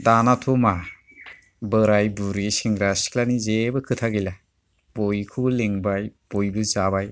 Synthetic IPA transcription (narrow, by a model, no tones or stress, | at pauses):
danatʰuma | bəɾajbuɾisiŋɾasi̥kʰlanizebɯkʰɯtʰaɡijla | bojkʰubleŋbajb̥ojbɯzabaj